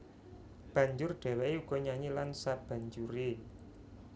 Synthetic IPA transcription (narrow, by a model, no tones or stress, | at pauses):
b̥ä̤ɲd͡ʒʊrdɖ̪̥e̤wɛiuɡ̥ɔ̤ɲaɲilansab̥a̤ɲd͡ʒuɾe